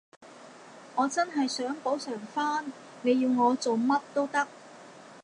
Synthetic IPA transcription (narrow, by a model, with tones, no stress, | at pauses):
ŋɔː˨˧t͡sɐ˥nɦɐ˨jsœː˨˥ŋpo˨˥wsœː˨˩ŋfaː˥n | ne˨˧jiː˧wŋɔː˨˧t͡so˨wmɐ˥t̚t̪o˥wt̪ɐ˥k̚